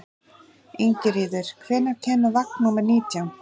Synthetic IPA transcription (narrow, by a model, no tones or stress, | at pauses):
iɲcɪɾiːðʏɾ̥kʰvɛːnːaɾcʰɛnːʏvaknnːuːmɛɾniːt̪ʰjawn